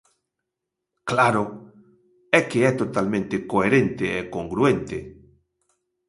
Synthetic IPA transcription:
klaɾo | ɛkeɛt̪ot̪almẽnt̪ekoeɾẽnt̪eːkoŋɡɾuent̪e

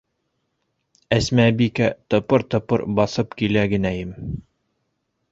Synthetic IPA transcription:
æsmæbikæt̪ɤ̆pɤɾt̪ɤ̆pɤ̰ɾbɑθɤpkilæɡɘ̆næjɘm

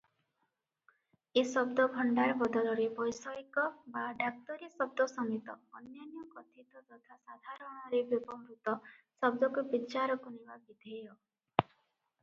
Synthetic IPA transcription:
esɔbd̪ɔbʱɔɳɖaɾbɔd̪ɔlɔɾebɔjsɔikɔbaɖak̚t̪ɔɾisɔb̚d̪ɔsɔmit̪ɔːnjanjɔkɔt̪ʰit̪ɔt̪ɔt̪ʰasad̪ʱaɾɔɽ̃ɔɾebjubɔmɾut̪ɔ | sɔb̚d̪ɔkubit͡ʃaɾɔkunebabid̪ʱejɔ

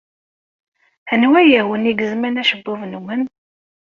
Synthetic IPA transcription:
ənwæjəwəniɡəzmænæʃəbːʊvnuwən

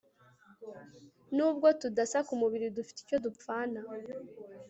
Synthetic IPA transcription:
nuːbɡo̞tudasakumuβiɾidufi̥ti̥co̞dup͡faːna

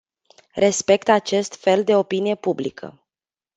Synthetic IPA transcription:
re̞spe̞kt̪at͡ʃe̞st̪fe̞ld̪e̞o̞pinije̞publḭkʰə̰

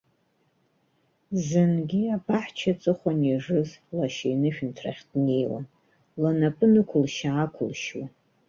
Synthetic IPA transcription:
zɨnɡʲiapʰaħt͡ʃʰat͡sʼɨχʷanaʐɨzlaʃajnɨʃᶣntʰra̰χʲd̥ne̞jwa̰n | lanapʼɨnɨkʷʰʊlʃaakʷʰʊlʃwa

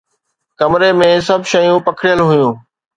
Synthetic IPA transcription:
kɐmɾemẽsɐbʱʃɐjũpɐkʰɽijəlɦʊjũː

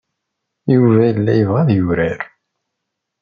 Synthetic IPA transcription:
juvæjəlːæjəvʁæðjuvɾæɾ

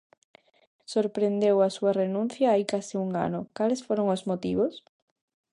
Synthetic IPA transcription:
soɾpɾend̪ewɐsuɐrenũn̟θjɐaikasɪuŋa̰nʊkalesfoɾoŋozmot̪iβos

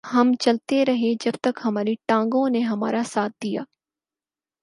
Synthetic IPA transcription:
ɦɐmt͡ʃɐlt̪eɾɐɦed͡ʒɐbt̪ɐkɦɐmaːɾiʈãːŋɡõneɦɐmaːɾasaːt̪̚d̪ija̰ː

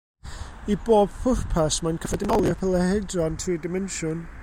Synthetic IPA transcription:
iboːb̥fʊr̥pʰasmankʰəfɛdɪnɔlˠjɔpʰɛlˠɛhɛdrɔntʰriːdɪmɛnʃʊn

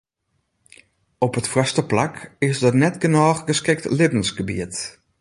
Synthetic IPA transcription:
ɔpətfrɔstəplakɪsdɔtnɛtɡənɔːχɡəskɪk̚tlɪbən̩sɡəbḭət

